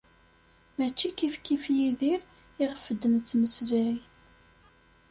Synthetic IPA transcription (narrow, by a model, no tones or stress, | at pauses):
mæt͡ʃːikifkifjiðiɾ | ɪʁfəd̪ənt͡sːməsɾæi